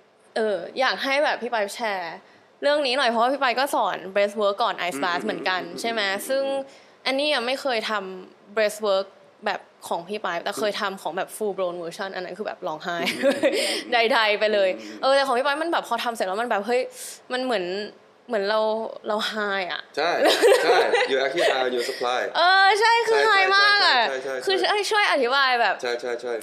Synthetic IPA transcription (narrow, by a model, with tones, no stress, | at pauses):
ʔɤː˧jaː˨˩k̚ɦa˥˩jbɛː˨˩p̚ʰːiː˥˩paː˦˥jp̚t͡ɕʰɛː˧˥ | ɾɯ˥˩əŋniː˦˥nɔ˨˩jpʰɔ˦waː˥pʰiː˥˩pa˧jkɔː˥˩sɔː˩˦nbɾeː˦˥swɤː˦˥kːɔː˨˩nʔa̰˧˥jsbaː˦˥smɯ˩˦ənka˧nt͡ɕʰa˥˩jmɛ˦˥sɯ˥˩ŋ | ʔa˧nːiː˥˩a˨˩ma˥˩jxʰɤː˧jt̪ʰa˧m | bɾe˦˥swɤː˦˥k̚ | bɛː˨˩p̚ʰːɔː˩˦ŋpʰiː˥˩paː˧˥jp̚t̪ɛː˨˩xʰɤː˧jt̪ʰa˧mkʰɔː˩˦ŋbɛː˨˩p̚fuː˧bɾoː˧nwɤː˧t͡ɕʰɔ˥˩nʔa˧nːa˦˥kʰɯː˧bɛ̰ː˨˩p̚lɔː˧ŋɦaː˥˩j | da˧˩jda˧jpa˧jlɤː˧jʔʔɤː˧t̪ɛː˨˩xɔː˨˩˦pʰiː˦˥˩pa˧jma˧nbɛː˨˩pʰɔː˧t̪ʰa˧mslɛː˧˦˥m˧nbɛː˨˩p̚ɦɤ˦˥jma˧nmɯ˩˦ən | mɯ˩˦ənɾa˧wɾa˧wɦaː˥˩jʔa̰˨˩ʔt͡ɕʰa˥˩j | uː˧ʔɛ˧i˥a˧juː˧sa˧pʰlaː˧˥˩jʔɤː˧t͡ɕʰa˥˩jkʰɯː˧ɦaː˥˩jmaː˥˩k̚ʔa˨˩˥kʰɯː˧˥˩jt͡ɕʰu˥˩əjʔa˧˩t̪ʰi˦˥baː˧jbɛː˨˩p̚t͡ɕʰa˥˩jt͡ɕʰa˥˩jt͡ɕʰa˥˩j